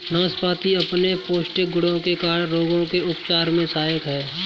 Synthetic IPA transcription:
nãːspaːt̪iɐpnepoːʃʈɪk̚ɡʊɽõkekaːɽɾoːɡõkeʊpt͡ʃaːɾmẽsaːjəkɦɛː

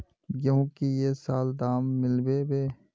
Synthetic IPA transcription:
jõːkijesaːld̪aːmːɪlbebeː

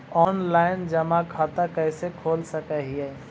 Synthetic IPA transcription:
ɔːnlaːɪnd͡ʒɐmakʰaːt̪akɛɪsekʰoːlsəkɛɦiɛ

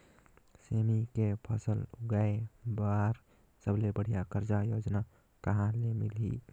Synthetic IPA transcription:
semikepʰəsəlʊɡaebaɾ | səblebəɽ̤ijakəɾd͡ʒajod͡ʒna | kəɦãlemilɦḭ

